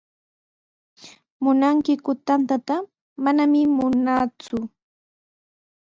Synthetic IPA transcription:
mʊnaŋkɪkʊt̪ant̪at̪a | manamɪmʊnaːt͡sʊ

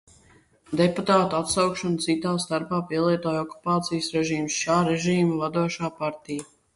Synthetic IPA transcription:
d̪eput̪aːt̪uat̪sawkʃɔnt̪sit̪aːst̪aɾpaːpiɛlˠiɛt̪oːjɔkːu̥paːt̪sijəsɾɛʒiːmsʃaːɾeʒiːmavad̪uɔʃaːpaɾt̪ija

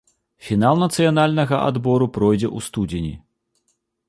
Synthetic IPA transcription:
fʲinalˠnɐt̪sɨjanalʲnɐɣɐʔa̰d̪bɔɾupɾɔjd͡zʲɛʔust̪ud͡zʲinʲḭ

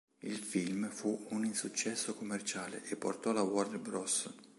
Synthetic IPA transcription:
ilfilmfuuninsut͡ʃːɛsːokomːert͡ʃaːlḛʔepːo̰rt̪ɔlawɔrnbɾɔs

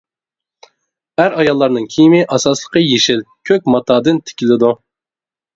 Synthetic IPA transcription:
æɾɑjɑlˠːɑɾnɨŋkʲʰijmɪʔɑsɑslˠə̥qəjeʃɪlkʲʰøk̚ʲmɑt̪ʰɑːd̪ɨnt̪ʰɪ̥kʲilɪd̪u

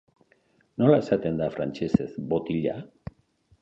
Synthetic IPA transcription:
no̞lae̞sat̪e̞nd̪afɾa̰nt͡ʃesezbo̞t̪iʎa

